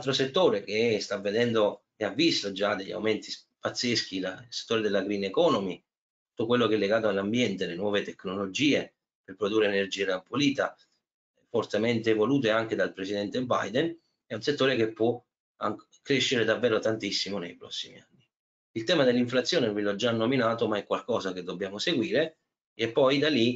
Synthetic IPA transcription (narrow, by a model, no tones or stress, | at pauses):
lalt̪ɾoset̪ːoːɾek̟est̪avːed̪ɛnd̪o | eavːist̪od͡ʒad̪eʎːa̰wment̪ispat̪sːesk̟ilalse̥t̪ːoːɾed̪elːaɡɾinekɔːnomi | tt̪t̪u̥t̪ːokwelːokɛlːeɡaːt̪oalːambjɛnt̪elenwɔːvet̪ekːnolod͡ʒiːe | perpɾod̪urːeːnerd͡ʒiːeɾampoliːt̪a | fort̪ement̪evoluːt̪̬eaŋk̟ed̪alpɾesid̪ɛnt̪eba̰jd̪en | ɛunset̪ːoːɾek̟epːwɔ | aŋ | kːɾeʃːeɾed̪avːɛːɾot̪ant̪isːimonejpɾɔ̰sːimḭanːi | ilt̪ɛːmad̪elːiɱflat̪sjoːnevilɔd͡ʒanːominaːt̪omaɛkːwalkɔːzak̟ed̪ːobːjaːmoseɡwiːɾe | ɛpːɔjd̪ali